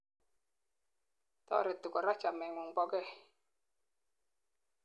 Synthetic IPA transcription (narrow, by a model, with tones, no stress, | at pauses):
t̪ɔ̰˦˨ɾɛ˨t̪ːu˨kɔ˨ɾa˦t͡ʃa˨mɛ˨ŋu˨ŋpɔ˦kɛ˦˨